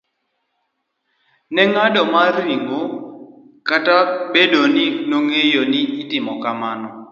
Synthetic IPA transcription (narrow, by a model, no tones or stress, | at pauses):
nɛŋadɔmaɾiŋɡo | katabedoninoŋejoniitɪmɔkamanɔ